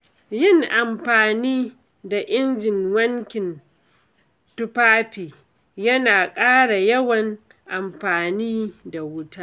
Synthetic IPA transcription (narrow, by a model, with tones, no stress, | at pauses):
jɪ˦˨ŋʔa˨mɸaː˨niː˦ | da˨ʔɪ˦nd͡ʒɪ˨ŋwɐ˦ŋkʲɪ˨n | tʊ˦paː˦ɸiː˨ | jɐ˦naː˨kʼaː˦ɽa˨jɐ˦wɐ˨ŋ | ʔa˨mɸaː˨niː˦da˨wʊ˦taː˦ʔ